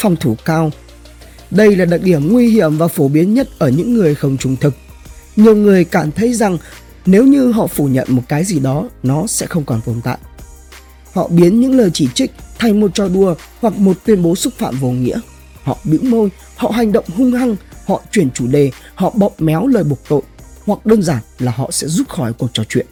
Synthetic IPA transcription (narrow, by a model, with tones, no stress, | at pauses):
fɔ˨˧wŋ͡mt̪ʰu˧˩kaː˧w | ɗə˧jlaː˨˩ɗaː˨˩k̚ɗi˧˩əmŋwi˧ɦi˧˩əmvaː˨˩fo˧˩ɓi˨˦ənɲə˦˥t̚ʔəː˧˩ɲɨ̰˧˥ŋːɨ˨˩əjxə˧wŋ͡mt͡ɕʊ˨˧˩ŋ͡mt̪ʰɨ˨˩k̚ | ɲi˨˩əwŋɨ˨˩əjkaː˧˩mt̪ʰə˨˦jza˨˩ŋ | ne˨˦wɲɨ˧ɦɔ̰˧˨fu˧˩ɲə̰˧˨nmo˨˩t̚kaː˨˦jzi˨˩ɗɔ˨˦nɔ˨˦sɛ̰˧˥xə˧wŋ͡mkɔ˨˩nt̪o˨˩nt̪a̰ː˧˨jʔ | hɔ̰˧˨ɓi˨˦ənɲɨ̰˧˥ŋləː˨˩jt͡ɕi˧˩t͡ɕï˦˥k̟̚t̪ʰa˧jmo˨˩t̚t͡ɕɔ˧˩ɗu˧ə | hwa˨˩k̚mo˨˩t̚t̪wi˧ənɓo˨˦sʊ˦˥k̚fa̰ː˧˨mvo˨˩ŋḭ˧˥ə | hɔ̰˧˨ɗɨ̰˧˥mo˧j | hɔ̰˧˨ɦa˨˩jŋ̟ɗə̰˧˨wŋ͡mɦʊ˧ŋ͡mha˧ŋhɔ̰˧˨t͡ɕwi˧˩ənt͡ɕu˧˩ɗe˨˩ | hɔ̰˧˨ɓɔ˨p̚mɛ˨˦wləː˨˩jɓo˨˩ək̚t̪o̰˧˨jhwa˨˩k̚ɗəː˧nzaː˧˩nlaː˨˩ɦɔ̰˧˨sɛ̰˧˥zu˦˥t̚xɔ˧˩jku˨˩ək̚t͡ɕɔ˨˧˩t͡ɕwḭ˧˨ən